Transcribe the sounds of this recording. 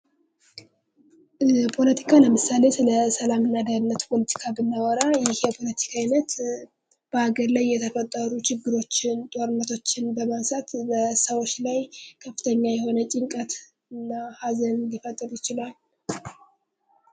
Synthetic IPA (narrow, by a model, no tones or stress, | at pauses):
pʰo̞lət̪ʰi̥kʰaləmɨsale̞sɨləsəlamɨnːad̪əɾɨnːət̪pʰo̞lət̪ʰi̥kʰabɨnːawɔɾajɪhjɛpʰo̞lət̪ʰi̥kʰainət̪ | b̥əaɡəɾlajːɛt̪ʰəfət̪ʼːəɾut͡ʃʰɪɡːɨɾo̞t͡ʃːɪnt̪ʼo̞ɾɨnːət̪ʰo̞t͡ʃːɪnbəmasat̪bəsəwot͡ʃːlajkʰəfːɨt̪ʰəɲːajɛho̞nət͡ʃʼɪŋkʼət̪ | ɨnːahazənnd̪ifət̪ʼːɨɾujɪt͡ʃɪlal